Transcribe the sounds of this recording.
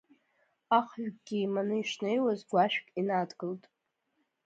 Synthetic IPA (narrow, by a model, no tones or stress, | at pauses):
aχɥᶣɡʼɡʲimanɨiʂnejwazɡʷaʃᶣkʲʼinadɡɨltʼ